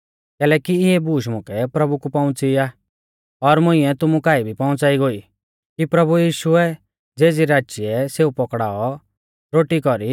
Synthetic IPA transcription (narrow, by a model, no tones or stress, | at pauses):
kɛːlɛːkiɪɦɛbuːʃ̬mʊ̃kʰɛpɾɐbukupaʊ̃t͡siaː | ɔɾmʊ̃ɪ̃ɛt̪ʊmukaːibʱipaʊ̃t͡saːiɡoːi | kipɾɐbujiːʃuɛ | d͡zeːd͡ziɾaːt͡ʃiɛseːupɔkɽaːɔ | ɾoːʈikɔɾi